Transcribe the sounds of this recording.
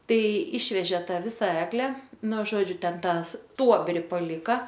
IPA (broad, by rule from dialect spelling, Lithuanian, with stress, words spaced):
ˈtɐɪ ˈɪʃʲʋʲɛʒʲeː ˈtɑː ˈʋʲɪsɐ ˈæːɡlʲɛ ˈnʊ ˈʒoːd͡ʒʲʊ ˈtʲɛn ˈtɑː ˈstuɔbʲrʲɪ pɐˈlʲɪkɐ